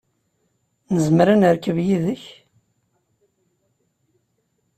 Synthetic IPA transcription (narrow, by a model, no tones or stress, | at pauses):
nəzmɾanəɾkəvjiðəç